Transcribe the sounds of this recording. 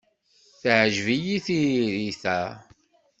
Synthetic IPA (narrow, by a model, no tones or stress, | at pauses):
θʕʒvijiθiɾiθæ